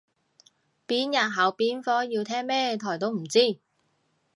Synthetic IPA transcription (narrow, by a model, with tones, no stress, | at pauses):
piː˨˥njɐ˨t̚ɦɐ˨˧wpiː˨˥nfɔː˥jiː˧wt̪ʰɛː˥ŋmɛː˥t̪ʰɔː˨˩jt̪o˥wm̩˨˩t͡siː˥˩